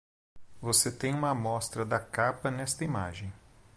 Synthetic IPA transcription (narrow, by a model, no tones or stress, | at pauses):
voset̪ẽj̃ũmɐmɔst̪ɾɐd̪ɐkapɐnɛst̪ɐima̰ʒẽj̃